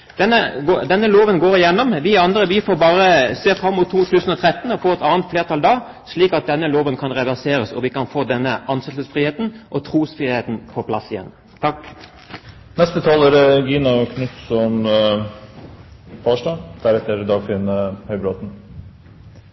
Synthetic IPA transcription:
d̪̥ɛnːəɡoːd̪ɛnːəloːʋənɡoːɾɪjɛnːɔmʋɪɑnd̪ɾəʋɪfoːʁbɑːɾəseːfɾɑmːʊt̪ʰːuːt̪ʰʉːsən̩ɔt̪ʰɾɛt̪ːənɔfoːʁɛt̪ɑːnt̪fleːʁt̪ʰɑːld̪ɑː | sliːkɑt̪̚d̪ɛnːəloːʋənkʰɑnʁɛʋæʁseːɾəsɔʋɪkɑnfoːd̪ɛnːəʔɑnsɛt̪əsfʁiːheːt̪n̩ʔɔt̪ʰɾuːsfʁiːheːt̪npʰɔpʰlɑ̰sɪjɛ̰nː | t̪ʰɑk | nɛst̪ət̪ʰɑːlæɾɡiːnɑkʰnʉt̪sɔm | fɑːʂʈɑd̪̥æɾɛt̪əɾd̪ɑːɡfɪnəhœʏbɾoːt̪n̩

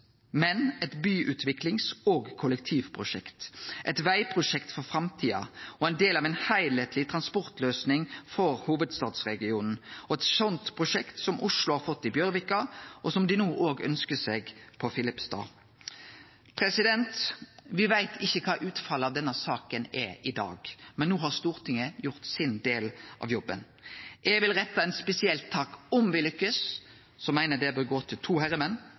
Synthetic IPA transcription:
mɛnɛt̪byːʔʉːt̪ʰʋɪklɪŋsoːɡkʰʊlɛk̚t̪ʰiːʋpʰɾʊʂɛ̰kt̪ʔɛt̪ʋæɪpʰɾʊʂɛkt̪fɔɾfɾɑmt̪ʰiːɑ̰ɔɛɪnd̪eːlɑːʋɛɪnhæɪleɪt̪ʰlɪt̪ʰɾɑnspɔɾt̪løːsnɪŋfɔɾhuːʋəd̪st̪ɑːd̪sʁɛɡɪuːnn̩ɔɛt̪sɔnt̪pʰʁʊʂɛkt̪sɔmʔʊʂlʊhɑːɾfɔt̪ːɪbjœɾʋɪkːɑʔɔsɔmd̪ɪnuːʔoːɡœ̰nskəseːɡpʰɔfɪlɪpst̪ɑ̰ː | pʰɾɛsɪd̪ɛnt̪ʋɪʋæɪt̪ʰɪçːəkʰɑːʔʉːt̪fɑlːɑʋd̪ɛnːəsɑːkənɛɾʔɪd̪ɑ̰ːɡmɛnːuːɦɑʁst̪uːʁt̪ʰɪŋəjʊʁt̪sɪnd̪eːlʔɑ̰ʋjɔbːən | ʔɛɡʋɪlɾɛt̪ːɑɛt̪spɛsɪɛlt̪ʰːɑːkɔmʋɪlʏkːəs | sɔmæɪnəd̪ɛbøːɾɡoːt̪ʰɪlt̪ʰuːhæɾəmɛnː

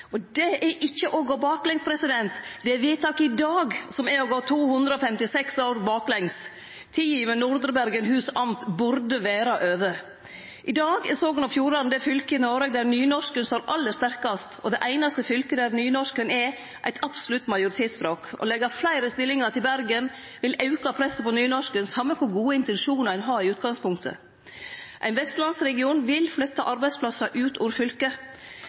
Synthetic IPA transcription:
ɔd̪ɛʔɛʔɪçːəʔɔɡoːbɑːklɛŋspʰɾɛsɪd̪ɛnt̪d̪ɛɛʋiːt̪ʰɑːkɪd̪ɑːɡsɔmɛɾɔɡoːt̪ʰuːhʉnd̪ɾəɔfɛmt̪ɪsɛksoːɾbɑːklɛŋs | t̪ʰɪliːmənʊɾd̪ɾəbæɾɡənɦʉːsɑmt̪bʉɾd̪əʋeːɾɑʔøːʋə | ʔɪd̪ɑːɡɛsoːɡənɑfjuːɾɑnnd̪ɛfʏlkəɪnoːɾəɡ̚d̪æɾnyːnɔʂkənst̪oːɾʔɑlːəst̪æɾkɑst̪ɔd̪ɛʔæɪnɑst̪əfʏlkəd̪æɾnyːnɔʂkənɛɾ | ʔæ̰ɪt̪ʰɑb̥sʊlʉt̪ːmɑjʊɾɪt̪ʰeːt̪spɾoːkɔ̰lɛɡɑflæɪɾəst̪ɪlːɪŋɑʈ̪ʰɪlbæɾɡən | ʋɪlɑʉkɑpʰɾɛsəpɔnyːnɔʂkənsɑmːəkʰʊɾɡuːəɪnt̪ɛnʃuːnɑɾæɪnɦɑːɪʉːt̪̚ɡɑŋspʰʊŋkt̪ʰə̰ | ʔæɪnʋɛst̪lɑnsɾɛɡɪuːnʋɪlflœt̪ːɑʔɑɾbæɪspʰlɑsɑʔʉːt̪ʰuːɾfʏlkə

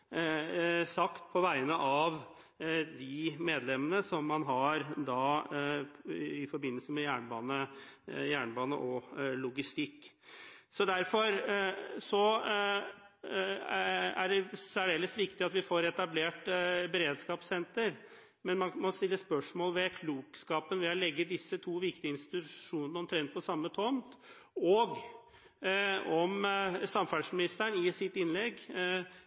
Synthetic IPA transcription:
sɑkt̪pʰɔʋæɪnəʔɑʋ | d̪ɪmeːd̪lɛmːənəsɔmːɑnɦɑɾd̪ɑ | ɪfɔɾbɪnːəsəmɛjæːɳbɑːnəjæːɳbɑːnə̰ʔɔlʊɡɪst̪ɪkː | sɔd̪æɾfɔɾsɔ | æɖɛsæɖeːləsʋɪkt̪ɪɑt̪ʋɪfoːɾɛt̪ɑbleːʈbɛɾeːd̪skɑːpsɛnt̪əɾ | mɛnmɑnmɔst̪ɪlːəspœʂmoːlʋɛkʰluːkskɑːpənʋɛɔlɛɡːəd̪ɪsːət̪ʰuːʋɪkt̪ɪəɪnst̪ɪtɪt̪ʉʂuːnənəɔmt̪ʰɾɛnt̪̚pɔsɑmːət̪ʰɔnt̪ | ɔɡ | ɔmsɑmfɑɖʂmɪnɪst̪æɳɪsɪt̪ːɪnlɛɡː

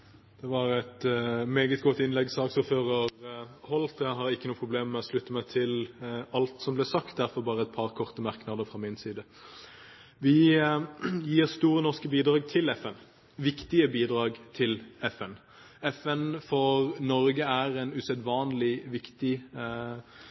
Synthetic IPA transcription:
d̪̥ɛʋɑɾæt̪meːɡət̪ɡɔt̪ːɪnlɛɡsɑːksuføːʁɑʁhɔlt̪ɛɦɑɾɪkːənuːpʰʁʊbleːmːɛɔslʉt̪ːəmæɪt̪ʰɪlɑlt̪sɔmblɛsɑkt̪̚d̪æɾfɔɾbɑːʁəɛt̪̚pʰɑʁkʰɔʁt̪əmæʁknɑd̪əfʁɑmɪnsiːd̪ə | ʋɪ | jiːʁst̪uːɾənɔʁskəbiːd̪ɾɑːɡt̪ʰɪlɛfɛn | ʋɪkt̪ɪəbiːd̪ʁɑːɡt̪ʰɪlɛfɛn | ɛfɛnfɔʁnɔɾɡəæʁɛnʉsɛd̪ʋɑːnlɪʋɪkt̪ɪ

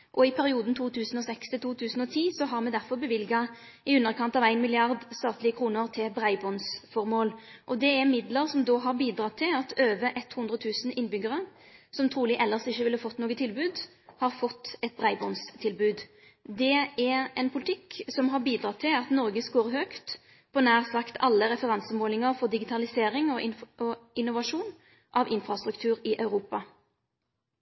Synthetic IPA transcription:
ʔɔɪpʰæɾɪuːd̪n̩t̪ʰuːt̪ʰʉːsən̩ɔsɛkst̪ɪlt̪ʰuːt̪ʰʉːsn̩ɔt̪ʰiːsɔɦɑʁmɛd̪æʁfɔʁbəʋɪlɡɑ | ɪʉnːəɾkʰɑnt̪ɑʋæɪnmɪlɪɑʁd̪st̪ɑːt̪lɪəkʰɾuːnəɾt̪ʰɪbɾæɪbɔnsfɔɾmoːlʔɔd̪ɛɛɾmɪd̪ləɾsɔmd̪oːɦɑʁbiːd̪ɾɑt̪ʰɪlɑt̪øːʋəʔɛt̪ːhʊnd̪ɾʁət̪ʰʉːsn̩ɪnːbʏɡəʁə | sɔmt̪ʰɾuːlɪʔɛlːəʁsɪçːəʋɪlːəfɔt̪ːnoːɡət̪ʰɪlbʉːd̪ | hɑʁfɔt̪ːɛt̪̚b̪ʁæɪbɔnst̪ʰɪlbʉːd̪ | d̪ɛɛʁɛnpʰʊlɪt̪ʰɪkːsɔmɦɑʁbiːd̪ɾʁɑt̪ʰɪlɑt̪nɔʁɡəskoːʁɦøːkt̪ | pʰɔnæːʁsɑkt̪ʰɑlːəɾɛfəʁɑnsəmoːlɪŋəʁfɔʁd̪ɪɡɪt̪ʰɑlɪseːɾɪŋɔɪɔɪnʊʋɑʂuːn | ʔɑʋɪnfʁɑst̪ɾʉkt̪ʰʉːɾɪʔɑʉɾuːpɑ

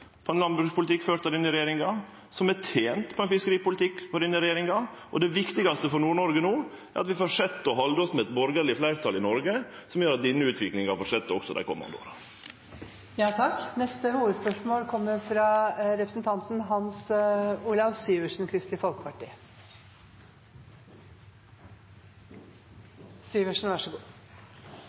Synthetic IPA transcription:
pʰɔɛnlɑnbɾʉspʰʊlət̪ʰɪkːføːɾt̪ɑd̪ɪnːəɾɛjeːɾɪŋɑ | sɔmɛʈʰeːnt̪pʰɔɛnfɪskəɾiːpʊlɪt̪ʰɪkːɔd̪ɪnːəɾɛjeːɾɪŋɑ | ʔɔd̪ɛʋɪkt̪ɪɡɑst̪əfɔɾnuːɳɔɾɡənoː | æɾʔɑt̪ʋɪfɔʂɛt̪ːɔɦɑld̪əɔsmɛɛt̪bɔɾɡəɾɭɪflæɪɾt̪ʰɑlɪnɔɾɡə | sɔmjøːɾɑt̪̚d̪ɪnːəʉːt̪ʰʋɪklɪŋɑfɔʂɛt̪ːɔ̰ksɔd̪æ̰kʰɔ̰mːɑ̰nd̪əo̰ːɾɑ | jɑːt̪ʰɑknɛst̪əhuːʋəd̪spœʂmoːlkʰɔmːəfɾɑɾɛpɾəsn̩t̪ʰɑnt̪n̩ɦɑnsuːlɑʋsyːʋəʂɳ̩kʰɾʏst̪lɪfɔlkəpɑʈḭː | syːʋəʂn̩ʋæʂəɡuː

